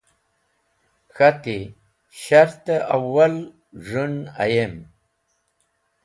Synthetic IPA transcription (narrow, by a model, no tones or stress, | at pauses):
xat̪i | ʃaɾt̪aʔawal | ʐuna̰jem